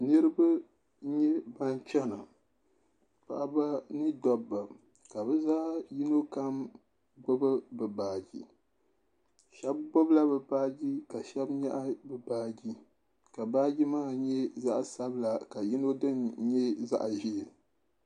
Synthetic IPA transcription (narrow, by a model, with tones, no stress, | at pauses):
nɨ˦ɾɨ˦ba˦ | ɲɛ˦ba˦nt͡ʃɛ˦na˨ | pa̰˨ʔa˨ba˦nɨ˦dɔ˦bːa˨ | ka˨bɛ˦zaː˦ji˦no˦ka˦m | ɡ͡bʊ˦bɨ˦bɨ˨baː˨d͡ʒi˨ | ʃɛ˦b̚ɡ͡bɔ˦bla˦bɨ˨baː˦ɡi˦ka˨ʃɛ˦bɲɛ˦ʔa˦bɨ˨baː˦ɡi˦ | ka˨baː˦d͡ʒi˦maː˦˨ɲɛ˦za˦ʔsa˦bɨ˦la˨ka˨ji˦no˦dɨ˦nɲɛ˦za̰˦ʔʒi˨l